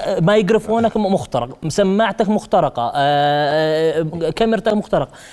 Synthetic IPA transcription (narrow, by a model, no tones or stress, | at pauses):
majɪɡɾɪfhunakmʊxt̪ɑɾˤɑqmsamːaʕt̪akmʊxt̪ɑɾˤɑqɑ̰ | kamɪɾt̪akmʊxt̪ɑɾɑqɑ